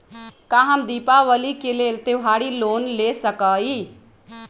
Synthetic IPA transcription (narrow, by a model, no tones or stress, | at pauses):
kaɦəmd̪ipaʋəlikelelt̪eɦaɽilonlesəkəi